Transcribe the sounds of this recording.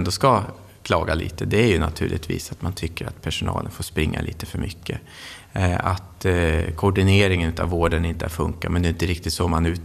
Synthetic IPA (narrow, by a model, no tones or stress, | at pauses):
nd̪ɔska | kʰlɑːɡalḭːt̪əd̪ɛæɾjɵna̰t̪ʰʉ̟ːɭʔɪt̪vḭːsat̪mant̪ʰʏkːəɾa̰t̪pʰæʂʊnɑ̰ːlənfoːspɾɪŋːa̰liːt̪ə̥fœɾmʏkʰːə | at̪kʰʊɖɪneːɾɪŋənʉ̟ːt̪avːoːɖənɪnt̪əæɾfɵŋkamɛnd̪ɛɪnt̪əɾɪk̚t̪ɪt̪sɔmanʉ̟ːt̪